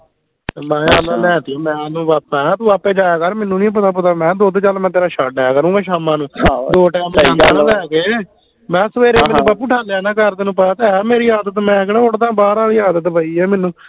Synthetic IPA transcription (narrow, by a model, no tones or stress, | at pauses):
mɛ̃ːaːlãːlɛ̃ːt̪ɪoːmɛ̃ːnũːʋaːpːɛ̃ːt̪ũːaːpːẽːd͡ʒaːjaːkəɾmɛːnũːnĩːp̬ət̪aːp̬ət̪aːmɛ̃ːd̪oːd̪t͡ʃaːlmɛ̃ːt̪eːɾaːʃaːʈɛːaːkəɾũːmɛ̃ːʃaːmãːnũːd̪oːʈɛːmːaːld̪ɛːɡeː | mɛ̃ːsəʋeːɾeːmeːbap̬ːuːʈʰaːljaːnãːkəɾt̪eːnũːpəaːt̪eːɛːmeːɾiːaːd̪ət̪mɛ̃ːɡɽãːʊɽt̪ãːbaːɾaːliːaːd̪ət̪̬bʱaːiːɛːmɛ̃ːnːũː